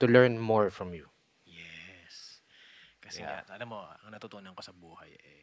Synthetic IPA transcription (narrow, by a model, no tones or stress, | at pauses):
t̪ʊlɛɹnmɔɹfɹɔmju | jɛs | kɐsɛ̰ɐlamːoɐŋnɐt̪ʊt̪uʔnɐŋkosɐbuːhɐjʔɛ